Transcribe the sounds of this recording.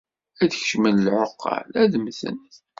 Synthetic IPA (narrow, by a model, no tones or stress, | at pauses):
æðçə̥ʃmənlʕoqːɑ̰læðmθə̰n